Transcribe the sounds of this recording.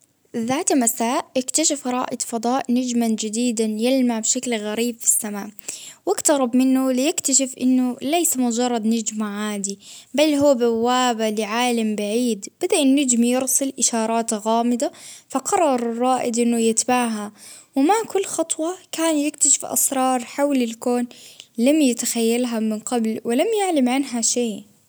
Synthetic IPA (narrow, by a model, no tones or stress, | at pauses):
ðaːt̪masaːʔʔɪkt̪aʃɪfɾˤɑ̰ːʔɪd̪fɑd̪ˤɑːʔnad͡ʒmand͡ʒɪd̪iːd̪anjɪlmaʕbʃaklɣaɾiːbfi̥sːamaːʔwɪɡt̪ɑɾˤɑbmɪnːʊlɪjɪkt̪aʃɪfʔɪ̰nːʊlajsamʊd͡ʒɑrˤːɑd̪nad͡ʒmaʕaːd̪ibalːɦuːbawːaːbalɪʕaːlambaʕiːd̪b̥ad̪aʔɪnːad͡ʒmijɪɾsɨlʔɪʃɑːɾˤɑːt̪ɣaːmɪd̪afɑqɑrˤːɑɾˤrˤːɑːʔɪd̪ʔɪnːʊjɪt̪baʕɦawɪmaʕkʊlːxɑt̪ˤwɑkaːnjɪkt̪aʃɪ̥fʔɑ̰sɾˤɑːɾˤħawlɪlkoːnlamjɪt̪axajːalɦamɪnqɑblwɪlamjaʕlamʕanɦaʃeː